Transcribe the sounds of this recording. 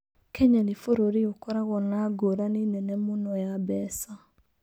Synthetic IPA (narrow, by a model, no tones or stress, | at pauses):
kʰɛɲanifoɾoɾiokɔɾaɣɔnaɡoɾaninɛnɛmunɔjabɛsa